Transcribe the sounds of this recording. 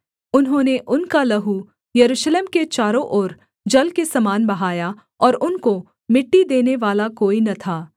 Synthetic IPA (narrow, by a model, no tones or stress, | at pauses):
ʊnɦõːneʔʊnkalɐɦu | jɐɾuːʃleːmket͡ʃaːɾõʔoːɾ | d͡ʒɐlkesɐmaːnbɐɦaːja | ɔːɾʊnko | mɪʈːid̪eːneʋaːlakoːinɐt̪ʰaː